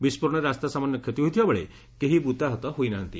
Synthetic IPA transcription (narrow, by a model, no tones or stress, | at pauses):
bispuɾɽ̃ɔɾeast̪asamanjɔkʰjet̪iɦojt̪ʰibabɔɭe | keɦibut̪aɦɔt̪ɔɦojnaɦɔnt̪i